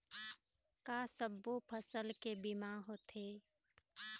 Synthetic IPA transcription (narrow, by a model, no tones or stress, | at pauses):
kaːsəbːopʰəsəlkebimaɦot̪eː